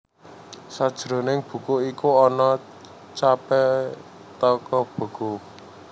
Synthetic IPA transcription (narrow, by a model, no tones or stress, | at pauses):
sad̥ʒ̥ɾo̤nɪŋb̥ṳkoikuɔnɔ | t͡ʃapɛ | t̪ɔkɔb̥ə̤ɡ̥o